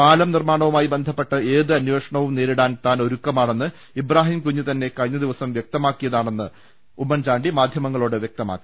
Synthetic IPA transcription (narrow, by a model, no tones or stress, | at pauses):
paːlɐmnirmaːɳɐʋumaːjibe̞nd̪ʱɐpːe̞ʈːɐeːðɨɐnjwe̞ːʂɐɳɐʋumne̞ːɾiɽaːnt̪aːno̞ɾukːɐmaːɳe̞nːɨ | ibraːɦiːmkuɲːut̪ɐnːe̞kɐɻiɲːɐd̪iʋɐsɐmʋjek̚t̪ɐmaːkːijɐðaːɳe̞nːɨ | umːɐnt͡ɕaːɳɖimaːd̪ʱjɐmɐŋːɐɭoːɽɨʋjek̚t̪ɐma̰ːkːi